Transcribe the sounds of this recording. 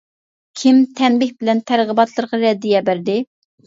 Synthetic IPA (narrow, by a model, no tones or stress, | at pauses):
kʲʰimt̪ʰɛnbɪhbɪlɛnt̪ʰæɾʁəbɑt̪lˠəɾʁɑɾɛd̪ːɪjɛbæɾd̪ɪ